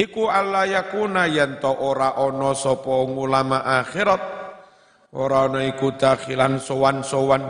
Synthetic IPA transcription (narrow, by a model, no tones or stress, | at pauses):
ikualːajakunajɛnt̪ɔʔoɾaʔɔnɔsɔpɔŋulamaʔaxiɾat̪̚ | oɾaɔnɔikud̪̥axilansɔwansowan